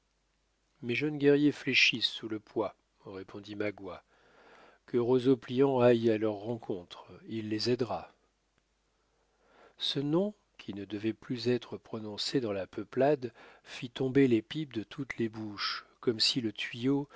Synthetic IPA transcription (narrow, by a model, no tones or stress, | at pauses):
meʒənɡʲɛʁjefleʃisːuləpwa | ʁepʰɔ̃d̪imaɡwa | kəʁozopliɑ̃ajalœʁːɑ̃kʰɔ̃t̪χilːezɛd̪ʁa | sənɔ̃ | kʲʰinəd̪əvɛplyzɛt̪χəpχɔnɔ̃sed̪ɑ̃lapəplad̪fit̪ɔ̃belepip̚d̪ət̪ʰut̪lebuʃkɔmsilət̪ɥijo